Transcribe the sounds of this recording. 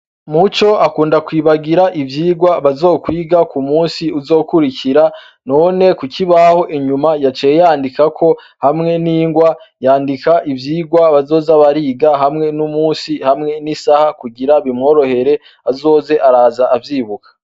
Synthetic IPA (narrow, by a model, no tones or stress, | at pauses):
mut͡ʃo̞akuːndakwiːβaɡiɾaʔivjiːɡwaβazo̞ːkwiːɡakumuːsiuzo̞ːkuɾiciɾa | no̞ne̞kucʰiβaho̞ʔiɲumajat͡ʃejejaːndikakʰo̞ | hamŋe̞niːŋɡwajaːndikaʔivjiːɡwaβazo̞ːzaβaɾiːɡaɦamŋe̞numuːsihamŋe̞nisahakuɡiɾaβimŋo̞ːɾo̞he̞ɾe̞ | azo̞ːze̞ʔaɾaːzaʔːvjiːβukʰḁ